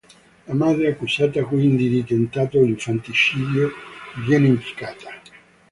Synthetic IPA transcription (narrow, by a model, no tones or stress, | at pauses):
lamad̪ɾeakːusaːt̪akwind̪id̪it̪ent̪aːt̪oliɱfant̪it͡ʃiːd̪jovjɛneimpi̥kaːt̪ḁ